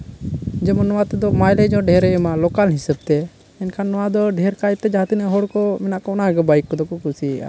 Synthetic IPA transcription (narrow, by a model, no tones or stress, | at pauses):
d͡ʒɛmɔnɔwat̪ɛd̪ɔmajlɛd͡ʒɔ̃ɖʱɛɾɛɛmalɔkalɦisəb̚t̪ɛ | ɛnkʰanːɔwad̪ɔɖʱɛɾkajt̪ɛd͡ʒat̪inɛɦɔɽkɔmɛnaʔkɔɔnaɡɛbaikːɔd̪ɔkɔkusiɛʔa̰